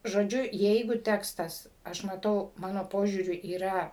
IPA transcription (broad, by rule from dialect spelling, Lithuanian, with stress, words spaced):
ʒoːˈd͡ʒʲʊ ˈjɛɪɡʊ ˈtʲæːkstɐs ˈɐʃ mɐˈtɐʊ ˈmɑːnoː ˈpoːʒʲuːrʲʊ iːˈrɐ